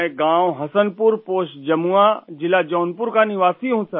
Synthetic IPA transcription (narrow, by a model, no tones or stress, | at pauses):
ẽɡãːwɦɐsənpʊɾpoːʃd͡ʒɐmuad͡ʒɪlad͡ʒɔːnpʊɾkaniʋaːsiɦũsə